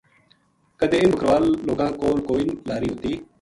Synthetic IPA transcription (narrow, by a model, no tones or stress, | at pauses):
kəd̪ẽːbʱəkɾʋaːlːoːɡãːkoːlkoːiːnlaːɾiːɦʊt̪iː